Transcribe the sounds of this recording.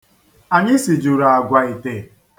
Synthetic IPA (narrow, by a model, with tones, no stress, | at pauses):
a˨ɲɪ˦si˨d͡ʒu˨ɾa˨a˨ɡʷa˨i˨te˨